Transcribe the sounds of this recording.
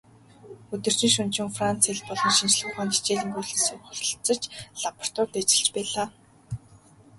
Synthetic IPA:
ɵt̪ɵ̆r̥t͡ɕĭŋʃɵnt͡ɕɪ̆ŋfrant͡seɮpɔɮɞ̆nʃint͡ɕɮə̆χaːnt̪i̥t͡ɕeːɮiːŋɡuɮɘ̆siŋχʊɮ̆ʲɬt͡sə̆t͡ɕɮapə̆r̥t̪ʊːrt̪at͡ɕɪ̆ɮt͡ɕpæːɮaː

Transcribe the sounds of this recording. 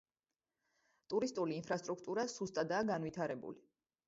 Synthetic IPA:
t̪ʼuɾist̪ʼuliːnpʰɾast̪ʼɾukʰt̪ʼuɾasust̪ʼad̪aːɡanvit̪ʰaɾɛbṵli

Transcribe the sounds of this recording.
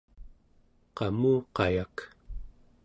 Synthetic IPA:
qɑmuːqɑjak

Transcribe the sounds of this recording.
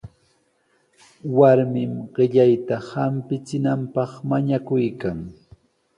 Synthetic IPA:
waɾmɪmɢɪʎajt̪ahampɪt͡sɪnampɑχmaɲakʊjkaŋ

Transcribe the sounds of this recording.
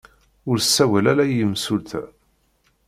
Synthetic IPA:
ʊɾsːæwælæɾæjəmsʊlθæ̰

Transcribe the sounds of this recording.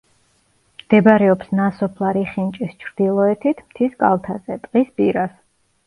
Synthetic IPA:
md̪̥ɛbaɾɛɔpsnasɔpʰlˠaɾiχint͡ʃʼist͡ʃʰɾd̪̥ilˠɔɛt̪ʰit̪ʰmt̪ʰiskʼa̰lˠt̪ʰazɛt̪ʼqʼisbʼiɾas

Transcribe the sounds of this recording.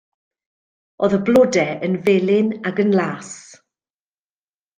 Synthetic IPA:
oːðəblɔdɛənveːlɪnaɡənlˠaːs

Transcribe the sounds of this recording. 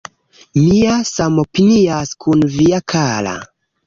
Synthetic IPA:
miasamo̞piniaskʰunviakʰala̰

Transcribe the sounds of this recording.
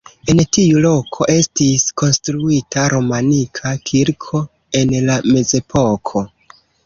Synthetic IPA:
e̞ntiulo̞kʰo̞ʔe̞stisko̞nstɾuitʰaɾo̞manikʰakʰiɾkʰo̞ | e̞nlame̞ze̞pʰo̞kʰo̞

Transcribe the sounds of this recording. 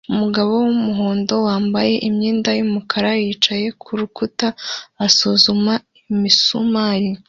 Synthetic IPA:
umuɡaβo̞wumuɦo̞ːndo̞waːmbaje̞ʔimɲiːndajumukʰaɾajiːt͡ʃaje̞kʰuɾukutaːsuzuma | imisumaɾi

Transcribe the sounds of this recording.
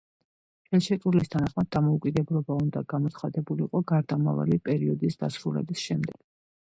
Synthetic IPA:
ɛlʃɛkʼuɾlist̪ʰanaχmad̪̚ːamɔukʼid̪ɛblɔbaund̪aɡamɔt̪sʰχad̪ɛbuliqʼɔɡaɾd̪ama̰va̰lipʼɛɾiɔd̪isd̪asɾulɛ̰bisʃɛmd̪ɛɡ̥

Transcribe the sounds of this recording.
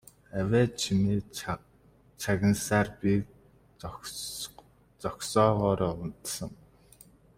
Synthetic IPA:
æwʲæːt͡ɕʰimeː | t͡sʰaɣʲɪ̆nsaːrpi | t͡sɔksɔːʁɔːɾɔːʊnt̪sə̆ŋ

